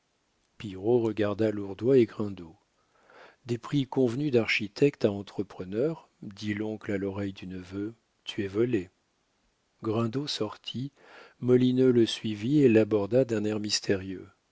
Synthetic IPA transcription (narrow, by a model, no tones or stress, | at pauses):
piʁoʁəɡaʁd̪aluʁd̪waeɡʁɛ̃d̪o | d̪epχikɔ̃vnyd̪aʁʃit̪ʰɛkt̪aɑ̃t̪χəpχənœʁ | d̪ilɔ̃klalɔʁɛjd̪ynəvø | t̪ʰyɛvɔle | ɡʁɛ̃d̪osɔʁt̪ʰi | mɔlinøləsɥivielabɔʁd̪ad̪ɛ̃nɛʁmist̪ʰeʁjø